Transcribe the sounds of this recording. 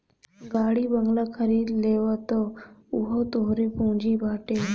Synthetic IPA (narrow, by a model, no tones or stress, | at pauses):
ɡaːɽiːbəŋɡlakʰəɾiːd̪leːʋat̪oʊɦot̪oːɦɾepũːɲd͡ʒiːbʱaːʈeː